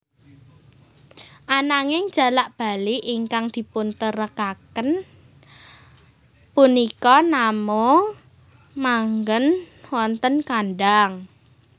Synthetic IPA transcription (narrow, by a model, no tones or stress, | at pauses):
ʔanaŋɪŋ̥ʒ̥a̤laʔb̥a̤liʔiŋkaŋd̪̥i̤pʊnt̪əɾəkakən | punikɔnamo | maŋɡən | wɔnt̪ənkanɖaŋ